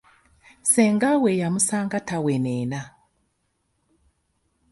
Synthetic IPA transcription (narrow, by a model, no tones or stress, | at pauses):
sɛŋɡawɛjamusaŋɡatawɛnɛna